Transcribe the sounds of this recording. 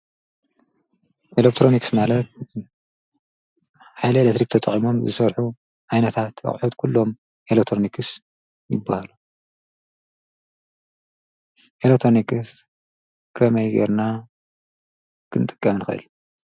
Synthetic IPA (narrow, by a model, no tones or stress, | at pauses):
ʔelek̚t̪ʰɾoniksmalɐt̪̚ | ħajlɐelet̪ʰɾikt̪ʰɐt̪ʼɐχʼimo̞mzɨsɐɾħu | ʕajnɐt̪ʰat̪ɨ̰χʼħut̪kʰulːo̞m | ʔelekt̪ʰɾonikʰɨs | jɪbːahalu | ʔelek̚t̪ʰɾonikʰɨs | kʰɐmɐjɡḛɾna | kʰɨnt̪ʼɨ̥kʼːɐmɨnɨxɨʔɨ̰l